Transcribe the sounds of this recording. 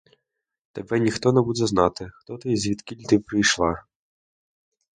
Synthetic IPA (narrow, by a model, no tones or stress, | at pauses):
t̪ɛbɛnʲixt̪ɔnɛbud̪zɐznɑt̪ɪxt̪ɔt̪ɪjzʲʋʲid̪kʲilʲt̪ɪpɾɪjʃlˠɑ